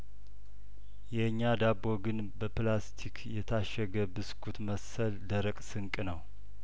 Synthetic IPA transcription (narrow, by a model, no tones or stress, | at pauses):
jɛɲːad̪aboɡɨn | bəplast̪ʰikʰjɛt̪ʰaʃɛɡəbɨskʰut̪məsəld̪əɾəkʼsɨŋkʼnəw